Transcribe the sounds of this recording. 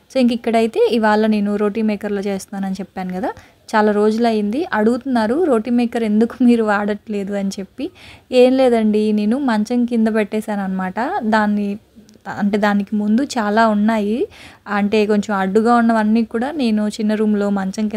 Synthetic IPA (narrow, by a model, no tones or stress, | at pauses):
soinkɐikːɐɽɐjit̪e̞ːiʋaːɭːɐne̞ːnuɾo̞ːʈiːmeːkɐɾlo̞ːt͡ʃe̞ːst̪aːnɐnit͡ʃɛpːaːnukɐd̪aː | t͡ʃaːlaːɾo̞ːd͡ʒulɐjind̪iʔɐɽuɡut̪unːaːɾuɾo̞ːʈiːmeːkɐɾe̞nd̪uku̥miːɾuʋaːɽɐʈle̞ːd̪uɐnit͡ʃe̞pːie̞ːmleːd̪ɐɳɖine̞ːnumɐɲt͡ʃɐŋkind̪ɐpɛʈːɛːʃaːnuɐnːɐmaːʈɐd̪aːnːi | ɐɳʈe̞ːd̪aːnikimund̪ut͡ʃaːlaːunːaːjiɐɳʈe̞ːko̞ɲt͡ʃomɐɖːuɡaːunːɐʋɐnːiːkuːɽaːne̞ːnut͡ʃinːɐɾuːmlo̞ːmɐɲt͡ʃɐŋki